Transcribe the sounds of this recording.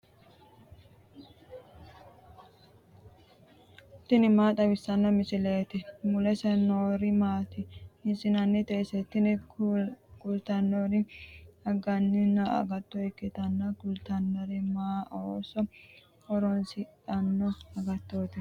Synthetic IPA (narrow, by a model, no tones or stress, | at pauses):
t̪ːɪnɪmaːt̪ʼɐbɪsːɐnːɔmɪsɪleːt̪ɪmʊlɛsɛnoːɾɪmaːt̪ɪɪsɪnɐnːɪt̪eːsɛt̪ːɪnɪ | kʊlt̪ɐnːoɾɪɐɡɐnːɪnɐɐ̰ɡɐt̪ːɔɛkːɪt̪ɐnːɐkʊlt̪ɐnːɔɾɪmaːʔoːsɔ | ɔɾɔnsɪt̪ʼɐnːɔɐɡɐt̪ːoːt̪ɪ